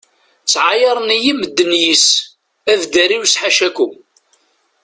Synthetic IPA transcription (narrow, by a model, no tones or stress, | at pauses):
t͡sːʕajɑɾˤnijiməd̪ːənjis | ævd̪æɾiwsħaʃækʊm